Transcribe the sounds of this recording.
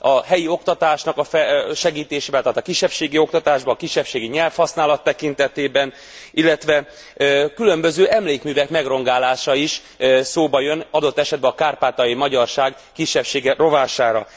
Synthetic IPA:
ɒɦɛjio̞k̚t̪ɒt̪aːʃnɒkɒfɛʃɛɡiːt̪eːʃeːbɛlːt̪at̪ːɒkiʃːɛpʃeːɡio̞k̚t̪ɒt̪aːʒbɒːkiʃːɛpʃeːɡiɲɛlfhɒsnaːlɒt̪ːɛkint̪ɛt̪eːbɛn | ilːɛt̪ʋɛ | kylømbø̞zøːʔɛmleːkmyːvɛkmɛɡro̞ŋɡaːlaːʃɒiʃ | soːbɒjø̞nɒd̪o̞t̪ːɛʃɛd̪̚bɛɒkaːrpaːt̪ɒjimɒɟɒrʃaːɡ | kiʃːɛpʃeːɡɛro̞vaːʃaːɾɒ̰

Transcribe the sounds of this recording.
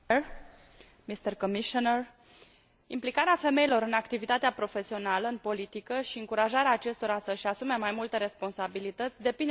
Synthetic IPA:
mist̪ərkomiʃoner | implikaɾeafe̞me̞ilo̞ɾɨnakt̪ivit̪at̪eapɾo̞fe̞sio̞naləɨnpo̞lit̪ikəʃiɨŋkuɾaʒaɾeaːt͡ʃe̞st̪o̞ɾasəʃasume̞majmult̪e̞ɾe̞spo̞nsabilit̪ət̪sʲd̪e̞pin

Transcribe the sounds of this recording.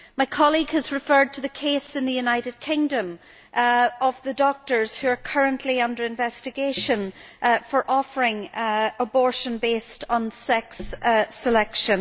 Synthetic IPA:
maɪkʰɑlˠiɡəzɹɨfɜ˞d̚tʰəðɨkʰesɨ̃nðɨjʉnaɪɾɨd̚kʰɪ̃ŋdə̃m | əvðədɔk̚tə˞z̥hʉə˞kʰɜ˞ə̃nʔliʌ̃ndə˞ɪ̃ɱvɛstɨɡeʃə̃nfə˞ʔɔfə˞ɪ̃ŋəbɔɹʃə̃nbestn̩sɛksəlɛkʃə̃n

